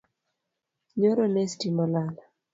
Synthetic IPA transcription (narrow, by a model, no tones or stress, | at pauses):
ɲoɾonestimɔlala